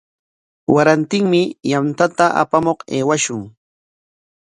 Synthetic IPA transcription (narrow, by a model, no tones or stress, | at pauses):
wʔaɾant̪ɪŋmɪjamt̪at̪aʔa̰pamoqeːwaʃʊŋ